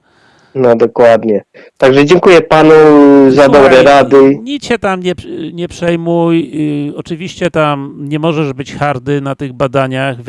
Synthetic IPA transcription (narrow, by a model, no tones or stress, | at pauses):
nɔd̪ɔkwad̪ɲɛ | t̪aɡʐɛd͡ʑɛŋkujɛpanuzad̪ɔbɾɛɾad̪ɘɲit͡ɕɛt̪amɲɛɲɛpʂɛjmujɔt͡ʂɨvʲiɕt͡ɕɛt̪amɲɛmɔʐɛʐbɘt͡ɕxaɾd̪ɘnat̪ɘɣbad̪aɲax